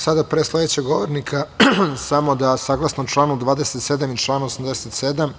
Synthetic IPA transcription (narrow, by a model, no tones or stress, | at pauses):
sad̪apɾeːslˠe̞d̪et͡ɕeɡo̞ʋoɾnikʰasamo̞d̪asaɡlˠasnout͡ʃlˠaːnud̪ʋaːd̪eset̪se̞d̪amit͡ʃlˠaːnosamd̪eset̪sed̪am